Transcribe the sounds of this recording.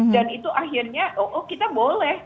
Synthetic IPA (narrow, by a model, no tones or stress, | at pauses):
danit̪uʔaɦirɲaʔoʔokit̪abolɛh